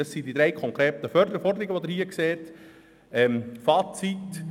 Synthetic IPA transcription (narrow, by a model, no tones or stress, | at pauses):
ɑsidid̥̪ɾeɪkʰɔŋkɾeːtəfœɾdəɾəfɔɾdəɾiɡəʋod̪ɪɾhiəkseːt | ɛmfɑːt͡sit